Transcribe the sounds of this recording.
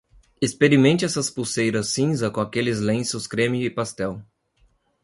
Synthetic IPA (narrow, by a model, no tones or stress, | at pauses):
espeɾimẽnt͡ʃɪɛsɐspusejɾɐsːĩzɐkõakelɪzlẽsʊskɾẽmiʊɪpast̪ɛw